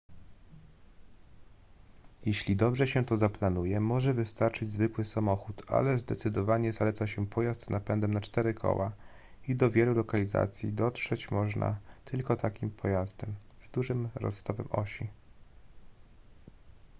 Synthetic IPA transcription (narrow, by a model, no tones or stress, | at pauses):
jeɕlʲid̪ɔbʐɛɕɛt̪ɔzaplanujɛmɔʐɛvɘst̪aɾt͡ʂɘd͡ʑzvɘkwɘsamɔxut̪ʰa̰lɛzd̪ɛt̪sɘd̪ɔvaɲɛzalɛt̪saɕɛpʰɔjast̪napɛnd̪ɛmnat͡ʂt̪ɛɾɘkʰɔ̰wa | id̪ɔvʲjɛlulɔkalʲiza̰t̪sʲjḭd̪ɔtʂɛt͡ɕmɔʐnʔa̰t̪ʰɘlkɔt̪ʰakʲimpʰɔjazd̪ɛm | z̥d̪uʐɘmɾɔ̰st̪ɔvɛ̰mʔɔ̰ɕi